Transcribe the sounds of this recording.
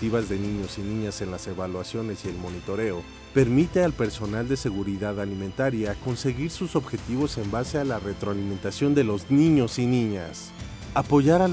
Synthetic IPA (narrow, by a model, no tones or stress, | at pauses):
t̪iβazðe̞nĩɲo̞sinĩɲase̞nlase̞βalwasjo̞ne̞sie̞lmo̞nit̪o̞ɾe̞o̞ | pe̞ɾmit̪e̞alpe̞ɾso̞nald̪e̞se̞ɣuɾiðaðalimẽ̞nt̪aɾjako̞nse̞ɣiɾsuso̞βxe̞t̪iβo̞se̞mbase̞alare̞t̪ɾoalimẽ̞nt̪asjo̞nd̪e̞lo̞znĩɲo̞sinĩɲa̰s | apo̞ʝaɾa